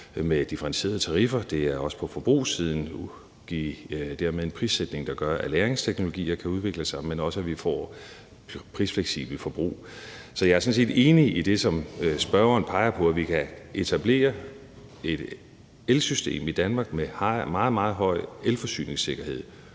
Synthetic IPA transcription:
med̥ifɐʁɑnse̝̰ːɐðˠt͡sʰɑ̈ʁifɐd̥e̝æɐɒ̽sə̥pʰɒ̽fɒ̽b̥ʁṵːsiːð̞ˠn̩ | ɡ̥ḭd̥æɐ̰meðˠe̝npʰʁised̥ne̝ŋd̥ɑ̈ɡ̥ɶɐʔæleːɐʁeŋst͡sʰeɡ̥no̝lo̝ɡ̥ḭːɐkʰæuð̞ˠʋe̝ɡ̥ləsɑ̈ɪmenɒ̽səæʋifɒ̰ː | pʰʁisfleɡ̥sḭb̥l̩fɒ̽b̥ʁṵː | sɒjɑ̈æɐsɒ̽n̩s̬ḛːd̥e̝ːniid̥e̝sɒ̽msb̥ɶɐɐːnpʰɑ̈ɪɐpʰɒ̽æʋikʰæʔe̝t͡sʰæb̥le̝̰ːɐ | e̝d̥ | elsysd̥e̝̰ːmid̥ænmɑ̈ːɡ̥mehmɑ̈ːð̩ˠmɑ̈ːð̞̩ˠɦɒ̽ɪ̰elfɒ̽sy̰ːne̝ŋse̝ɡ̥ɐhe̝ð̞̰ˠ

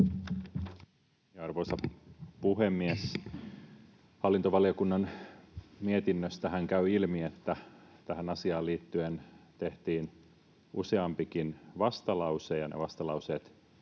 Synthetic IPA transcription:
jɑɑrʋojsɑpuɦemːies | hɑlːint̪oʋɑliokunːɑn | miet̪inːøst̪æhæŋkæyilmiet̪ːæt̪æhænɑsiɑːliːt̪ːyent̪e̞ht̪iːn | use̞ɑmpikinʋɑst̪ɑlɑwsejɑnḛʋɑst̪ɑlɑuse̞ːt̪

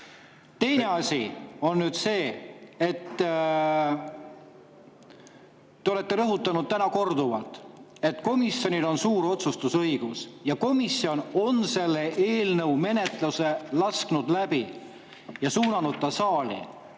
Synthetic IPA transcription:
t̪e̞jne̞ɑsʲio̞nːyd̪̥se̞ːet̪ː | eo̞le̞t̪ːe̞ɾɤɦut̪ːˑɑnud̪̥̚t̪ænɑko̞rd̪uvɑlt̪ˑe̞t̪ːko̞misjo̞nʲilo̞nsuːɾo̞t̪sust̪usɤiɡ̥usjɑko̞misio̞no̞nse̞lːeʔe̞ːlnɤwme̞ne̞t̪ˑluse̞lɑsknud̪̥læb̥i | jɑsuːnɑnud̪̥̚t̪ːɑsɑːlḭ

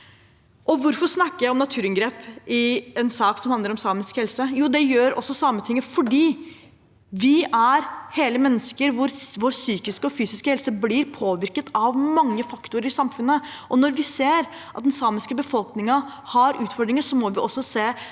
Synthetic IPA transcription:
ʔɔʋʊɾfɔʂnɑkːəɾjæɪɔmnɑt̪ʰʉːɾɪŋɡɾeːpɪɛnsɑːksɔmhɑnd̪əɾɔmsɑːmɪskhɛlsəjuːd̪ɛjøːɾɔ̰sːɔsɑːmət̪ʰɪŋːəfɔɖiː | ʋɪʔæɾheːləmɛnːəskəɾʋʊɾʋoɾsyːkɪskəɔfyːsɪskəhɛlsəblɪɾpʰoːʋɪɾkət̪ʰɑʋmɑŋːəfɑkt̪ʊɾəɾɪsɑmfʉnːə | ʔɔnɔɾʋɪseːɾ | ʔɑt̪d̪ɛnsɑːmɪskəbəfɔlknɪŋɑ | hɑɾʔʉːt̪fɔɖɾɪŋəsɔmɔʋɪʔɔsːɔseː

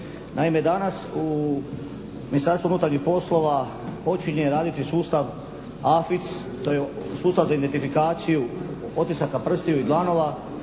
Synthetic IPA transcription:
nʔaime̞d̪anasu | minist̪aɾst̪ounuːt̪aɾɲixpo̞slˠo̞ʋa | po̞t͡ʃiɲeɾaːd̪it̪isuːst̪aʋ | afit̪s | t̪o̞jesuːst̪aʋzaind̪ent̪ifikaːt̪siju | o̞t̪isakapr̩st̪ijoid̪lˠano̞ʋa

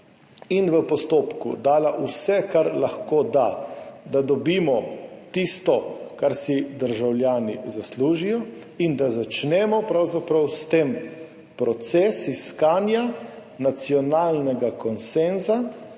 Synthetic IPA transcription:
inʋəpɔst̪oːpkṵd̪aːlaʔusɛkaɾlaxkoːd̪ad̪ad̪ɔbiːmɔt̪ist̪ɔkaɾsid̪əɾʒawljaːnḭzasluːʒijɔ | ind̪azat͡ʃnɛmɔpɾawzapɾawst̪eːm | pɾɔt̪sɛːsiskaːnjanat̪siɔnaːlnɛɡakɔnsɛnza

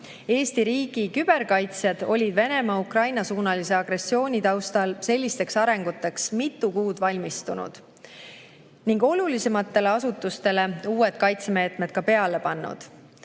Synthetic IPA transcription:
e̞ːst̪iɾiːɡ̥ikyb̥e̞ɾkɑjt̪sjɑd̪̥o̞lʲid̪̥ve̞ne̞mɑukrɑjnɑsuːnɑlise̞ɑɡ̥ɾe̞sːio̞ːnʲit̪ɑwst̪ɑlse̞lʲːist̪e̞ksɑɾe̞ŋɡ̥ut̪ːˑe̞ksmit̪ːˑukuːd̪̥vɑlʲmist̪unṵd̪̥ | niŋɡo̞lulise̞mɑt̪ːe̞le̞ɑsut̪ːˑust̪e̞le̞uːe̞t̪̚kɑjt̪seme̞ːt̪me̞t̪̚kɑpe̞ɑle̞pɑnːṵd̪̥

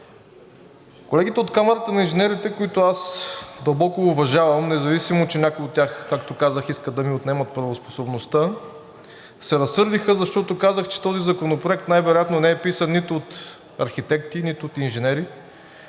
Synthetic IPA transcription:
kolɛɡ̟it̪ɛot̪kamɐɾət̪ənɐinʒɛnɛɾit̪ɛkoit̪ʊasd̪ɐlˠbɔkʊvɐʒavɐmnɛzɐvisimot͡ʃɛnʲakojot̪̚ːʲjaxkakt̪okazəxiskəd̪ɐmiot̪nɛmɐt̪̚pɾɐvospo̥sobnost̪ə | sɛɾɐsːɤɾd̪ixəzɐʃt̪ɔt̪okazəxt͡ʃɛ̥t̪ɔzizɐkonopɾoɛk̚t̪najvɛɾojat̪nonɛɛpisənːit̪ʊːt̪ | ɐɾxit̪ɛkt̪init̪ʊot̪inʒɛnɛɾi

